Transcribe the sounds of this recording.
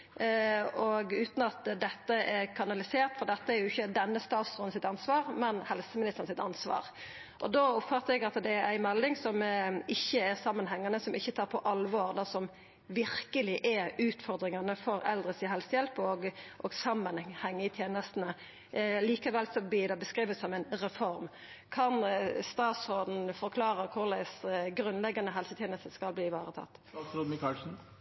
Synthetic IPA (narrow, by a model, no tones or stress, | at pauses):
ɔɡʉːt̪nɑt̪d̪ɛt̪ːəʔɛɾkʰɑnɑlɪseːɾt̪fɔɾd̪ɛt̪ːəæɾjʊɪçːəd̪ɛnːəst̪ɑːt̪sʁɔn̩sɪt̪ɑnsʋɑːʁmɛnhɛlsəmɪnɪst̪əɾnsɪt̪ɑ̰nsʋɑ̰ːɾ | ʔɔd̪oːɔpfɑt̪ːəɾɛɡɑt̪d̪ɛæɪmɛld̪ɪŋsɔmɪçːəæɾsɑmːənɦɛŋːɑnəsɔmɪçːət̪ʰɑːɾpʰɔʔɑlʋoːɾd̪ɛsɔm | ʋɪɾkəlɪʔɛɾʉːt̪fɔɾd̪ɾɪŋɑnəfɔɾɛ̰ld̪ʁəsiːɦɛlsəjɛlpəɔɡʔɔɡsɑmːənhɛŋːəɪt̪ʰjeːnəst̪n̩ə | liːkɑʋɛlsɔb̪id̪ɑbəskʁiːʋət̪sɔmɛɪnɾɛfɔɾm | kʰɑnst̪ɑːt̪sod̪n̩fɔɾkʰlɑːɾəkʰʊɾd̪æɪsɡɾʉnlɛɡːɑnəɦɛlsət̪ʰeːnəst̪əskɑlbliːʋɑːɾət̪ʰɑ̰t̪ːsd̪mɪkʰɑlsn̩